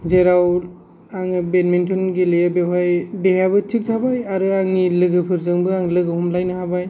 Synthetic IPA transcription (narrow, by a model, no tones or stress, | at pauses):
zeɾaw | aŋɯbenmentʰunɡelejabeɦajdeɦabɯtʰik̚tʰabajaɾɯaŋnilɯɡɯpʰɯɾzɯŋbɯaŋlɯɡɯhumlajnɯhabaj